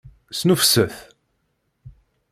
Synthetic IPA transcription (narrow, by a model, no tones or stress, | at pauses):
snəfsəθ